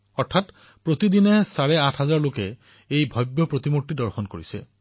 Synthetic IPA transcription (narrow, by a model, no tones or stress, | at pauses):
ɔɹtʰat | pɹotidinɛsaɹɛatʰɦazaɹlokɛ | ejbʱɔjbjɔpɹot̪imotːidɔɹxɔnkoɹisɛ̰